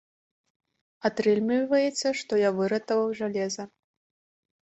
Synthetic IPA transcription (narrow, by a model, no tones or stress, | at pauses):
at̪ɾɛlʲmʲivɐjɛt̪sːɐʂt̪ɔjavɨɾɐt̪ɐvɐwʐalʲɛzɐ